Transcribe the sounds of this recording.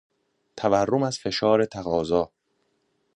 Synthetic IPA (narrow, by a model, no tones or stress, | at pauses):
t̪ʰæværːomæzfe̞ʃɒːɾe̞t̪ʰæɣɒːzɒː